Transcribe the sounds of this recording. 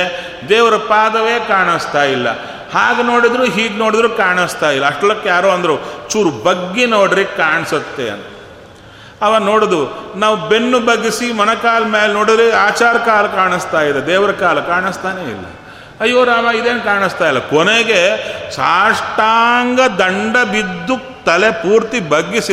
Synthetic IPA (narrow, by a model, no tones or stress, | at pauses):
d̪ɛːʋɾɐpaːd̪ɐʋeːkaːɳɐst̪aːjilːɐ̰ | haːɡeno̞ːɽid̪ɾuɦiːɡnoːɽid̪ɾukaːɳɐst̪aːjilːɐːʂʈɐlɐkːejaːɾoːɐnd̪ɐɾut͡ʃuːɾubɐɡːenoːɽɾikaːɳisɐt̪ːeɐ̰nt̪ɐ | ɐʋaːno̞ːɽɐd̪unaːʋube̞nːubɐɡisimɐnɐkaːlɐmeːlnoːɽid̪ɾeaːt͡ʃaːɾɐkaːlɐkaːɳɐst̪aːjid̪ed̪ɛːʋɾɐkaːlɐkaːɳist̪aːneḭlːɐ̰ | ɐjːoːɾaːmaid̪e̞ːnkaːɳist̪aːjlːɐkɔneɡe̞ʃaːʂʈaːŋɡɐd̪ɐɳɖɐbid̪ːu | t̪ɐle̞puːɾt̪ibɐɡːisi